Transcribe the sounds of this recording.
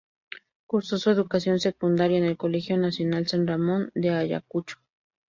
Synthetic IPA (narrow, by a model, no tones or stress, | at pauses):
kuɾsosoeðukasjo̞nsekund̪aɾjaenelkolexjonasjo̞nalsanramond̪eaja̰kut͡ʃo̥